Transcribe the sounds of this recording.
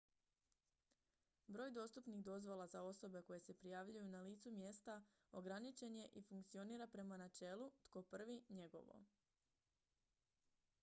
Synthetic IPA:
bɾo̞ːjd̪o̞st̪upniɣd̪o̞zʋo̞lˠazao̞so̞be̞ko̞je̞se̞pɾijaːʋʎujunaliːt̪sumje̞st̪a | o̞ɡɾanit͡ʃe̞nje̞ʔifuŋkt̪sio̞niːɾapɾe̞manat͡ʃe̞lˠut̪ko̞pr̩ʋiɲe̞ɡo̞̰ʋo̞̰

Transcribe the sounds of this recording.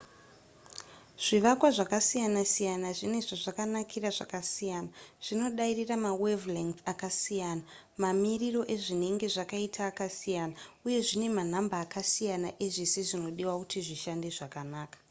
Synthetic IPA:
ʐ̥iʋakwaʐakasijanasijanaʐine̞ʐaʐakanakʰiraʐakasijanaʐ̥ino̞ɗairiramawevliŋakasijaːna | mamiriro̞ʔe̞ʐine̞ŋɡe̞ʐakaitʰaːkasijaːnauje̞ʐine̞man̤ambaːkasijanaʔeʐiseʐino̞ɗiwakutiʐiʃandeʐakanaːkḁ

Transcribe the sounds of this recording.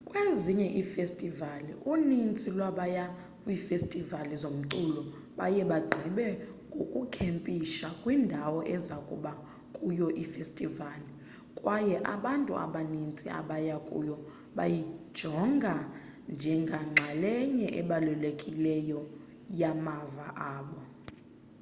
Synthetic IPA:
kʼweziɲɛʔifestʼivalḭʔunint͡sʼilwaɓaja | ifestʼivalizom̩ǀulɔ | ɓajɛɓaɡ͡ǃʱiɓɛŋɡʱokʼukʰempʼiʃakʼwindʱawɔʔɛzakʼṵɓa | kʼujɔʔifestʼivali | kʼwajɛʔaɓantʼṵa̰ɓanint͡sʼḭa̰ɓajakʼṵjɔ | ɓa̰jid̥ʒ̥ʱɔŋɡʱa | nd͡ʒʱɛŋɡʱaŋ͡ǁʱalɛɲɛʔɛɓalulekʼilɛjɔ | jamavaʔaːɓɔ

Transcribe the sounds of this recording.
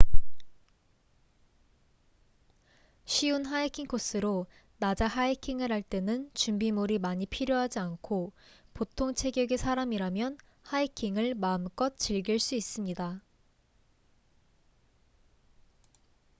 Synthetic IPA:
ɕʰiunɦaikʰiŋkʰos͈ʰɯɾo | nad͡ʑaɦaikʰiŋɯɾɦaɭt͈e̞nɯnt͡ɕumbimoɾimaɲipʰiɾjoɦad͡ʑiankʰopotʰoŋt͡ɕʰe̞ɡjʌɡesʰaɾamiɾamjʌn | haikʰiŋɯɭmaɯmk͈ʌt̚t͡ɕ͈iɭɡiɭs͈uis͈ɯmɲida

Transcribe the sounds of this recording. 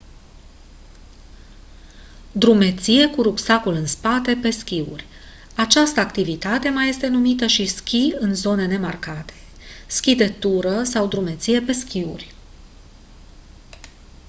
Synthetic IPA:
d̪ɾume̞t̪sije̞kuɾupsakulɨnspat̪e̞pe̞skʲiṵrʲ | at͡ʃast̪əakt̪ivit̪at̪e̞maje̞st̪e̞numit̪əʃiskʲiɨnzo̞ne̞ne̞markat̪e̞̥ | skʲid̪e̞t̪uɾəsawd̪ɾume̞t̪sije̞pe̞skʲiṵrʲ

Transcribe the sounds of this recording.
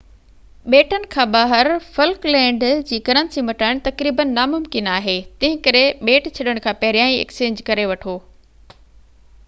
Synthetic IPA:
ɓeːʈənɪ̆kʰãːɓaːɦəɾfɐlklɛ̃ːɳɖd͡ʑiːkɐɾə̃nsimɐʈaːɽ̃̆t̪ɐkɾiːbənːamʊmkɪnaːɦeːt̪ɐ̃ɦɪ̃kɐɾeɓeːʈt͡ɕʰɐɗəɽ̃kʰãːpɐɦɪɾijaːĩḛkst͡ɕẽːɲd͡ʑkɐɾeʋɐʈʰoː

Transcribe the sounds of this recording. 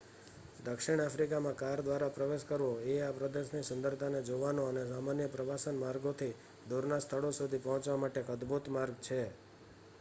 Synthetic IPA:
d̪əkʃiɽ̃afʰɾikamãkaɾd̪ʋaɾapɾəʋeʃkəɾʋoeapɾəd̪eʃnisʊnd̪əɾt̪ʰaned͡ʒoʋanoənesamanjəpɾəʋasənmaɾɡot̪ʰi | d̪uɾnast̪ʰəɭosud̪ʱipəɦɔ̃t͡ʃʋamaʈekəd̪but̪maɾɡ̚t͡ʃʰe

